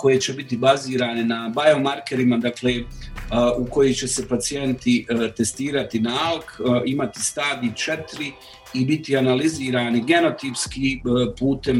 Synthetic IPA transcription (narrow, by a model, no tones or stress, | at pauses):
ko̞jet͡ɕe̞bit̪ibaziːɾaːnenabajo̞maɾke̞ɾimad̪akleː | uko̞jit͡ɕe̞se̞pat̪sije̞nt̪it̪e̞st̪iːɾat̪inaalˠkimat̪i̥st̪aːd̪it͡ʃe̞t̪ɾi | ibit̪ianaliziːɾaːniɡe̞no̞t̪ipskiːpuːt̪e̞m